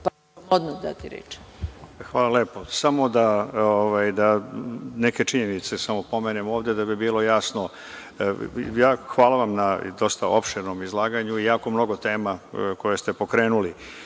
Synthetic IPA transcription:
p | od̪nod̪a̰t̪iɾḛt͡ʃ | xʋaːlˠalepo̞samo̞d̪aoʋajd̪aneke̞t͡ʂiɲenit̪se̞samo̞po̞menemo̞ːvd̪ed̪abibiːlo̞jasno̞ | jaːxʋaːlˠaʋamnad̪o̞st̪aʔo̞pʃeɾno̞mizlˠaːɡaɲuijaːko̞mno̞ɡot̪e̞ːmako̞jest̪e̞po̞kɾeːnuli

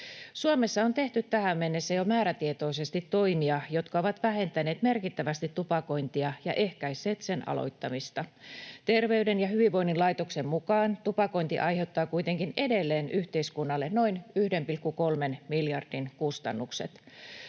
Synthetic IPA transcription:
suomesːɑont̪eht̪yt̪t̪ːæhæmːenːesːæjomæːɾæt̪iet̪o̞isest̪it̪ːoimiɑjot̪kɑoʋɑt̪ʋæhe̞nt̪æneːt̪merkit̪ːæʋæst̪it̪tːupɑko̞int̪iɑjɑʔe̞hkæisˑeːt̪senʔɑ̰lo̰jt̪ːɑmist̪ɑt̪e̞rʋeydenjɑhyʋiʋʋo̞inːinlɑjt̪oksemmukɑːnt̪upɑko̞int̪ḭʔɑjheut̪ːɑːkuit̪eŋkine̞delːeːnyht̪eiskunːɑlːenno̞inyhdempilkːukolmenmiljɑrd̥inkust̪ɑ̰nːuksḛt̪

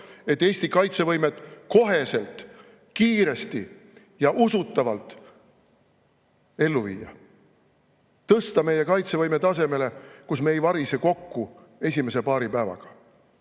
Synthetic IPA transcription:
e̞t̪ːe̞ːsʲt̪ikɑjt̪se̞vɤjme̞t̪ˑko̞ɦe̞se̞lt̪ˑ | kiːɾe̞st̪i | jɑʔusut̪ːˑɑvɑlt̪ːˑ | e̞lːuvḭːjɑ̰ | t̪ɤst̪ɑme̞je̞kɑjt̪se̞vɤjme̞t̪ɑse̞me̞le̞kusme̞jvɑɾise̞ko̞kːu | e̞sʲime̞s̬e̞pɑːɾipæevɑ̰ɡ̥ɑ̥

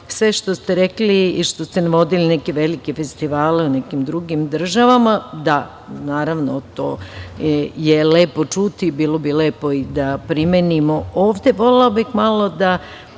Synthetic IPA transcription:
sʋe̞ʃt̪ost̪eɾekliːʃt̪ost̪enaʋo̞d̪ilinekeʋelikefest̪iʋaːleunekimd̪ɾuɡimd̪r̩ʒaʋamad̪a | naːɾaʋnot̪o̰ː | jeleːpo̞t͡ʃut̪ibiːlˠo̞bileːpo̞id̪apɾimenimo̞oːʋd̪e̞ʋo̞lelobixmalo̞d̪a

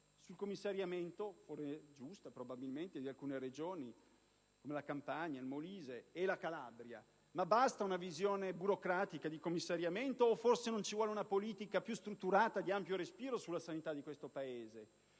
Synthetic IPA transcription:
sulkomːisːaɾjament̪ofored͡ʒust̪apɾobabilment̪ed̪ialkuːneɾed͡ʒoːni | komelakampaɲːailmoliːzeːlakala̰bɾja̰ | mabast̪aunavizjoːnebuɾokɾaːt̪ikad̪ikomːisːaɾjament̪oːfːorsenont͡ʃivwɔːleunapoliːt̪ikapjust̪ɾut̪ːuɾaːt̪ad̪iampjoɾespiːɾosulːasanit̪ad̪ikwest̪opaeːze

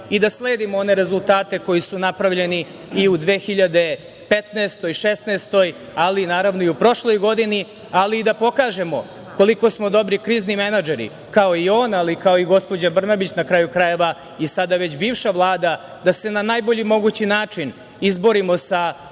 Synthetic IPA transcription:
id̪asle̞ːd̪imoo̞ne̞ɾe̞zulˠt̪aːt̪e̞ko̞jisunapɾaʋʎe̞niː | ud̪ʋeːxiʎad̪e̞ | pet̪naːst̪o̞jʃest̪neːst̪o̞j | alinaːɾaʋno̞iupɾo̞ʃlo̞jɡo̞d̪ini | aliːd̪apo̞kaːʒe̞mo̞ | ko̞liko̞smo̞d̪o̞bɾikɾiːznimenad͡ʒeɾḭ | kao̞io̞ːnalikao̞iɡo̞spo̞d͡ʑabr̩nabit͡ɕnakɾajukɾaje̞ʋa | isad̪aʋe̞t͡ɕbiːvʃaʋlˠaːd̪a | d̪ase̞nanajboʎimo̞ɡut͡ɕinaːt͡ʂin | izbo̞ɾimo̞sa

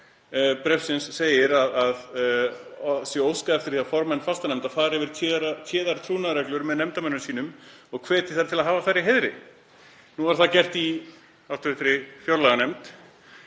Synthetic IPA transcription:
pɾɛfsɪnsːeːjɪɾaðað | sjɛowskaɛft̪ɪɾ̥θiafɔɾmɛnːfast̪anɛmt̪afaːðɾɪvɪɾ̥ʰɾt̪ʰɛːðaɾt̪ʰɾuːnaɾɛklʏɾmɛðnɛmt̪amɛnːʏmsiːnʏm | ɔɣkʰvɛːt̪ɪ̥θaɾ̥t̪ʰɪlaðɦaːvaθarːɪɦeðɾɪ̰ | nuːvaɾ̥θaðcɛr̥t̪i | awt̪ʰʏθɾɪfjowɾlaɛɣanɛmt̪

